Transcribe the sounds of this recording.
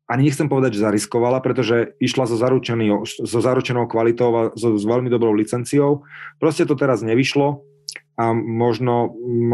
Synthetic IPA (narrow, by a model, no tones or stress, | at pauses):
ʔaɲiɲɛxt͡sɛmpɔʋɛd̪aɟʒɛzaɾiskɔʋalapɾɛt̪̬ɔʒɛiʃlazɔzaɾut͡ʃɛnizɔzaɾut͡ʃɛnɔʊkʋalit̪ɔʊazɔʋɛʎmid̪ɔbɾɔʊlit͡sɛnt͡sijɔʊpɾɔscɛt̪ɔt̪ɛɾazɲɛʋiʃlɔ | amɔʒnɔ